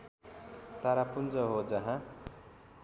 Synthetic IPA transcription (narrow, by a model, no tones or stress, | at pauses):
t̪aɾapund͡zʌɦod͡zʌɦã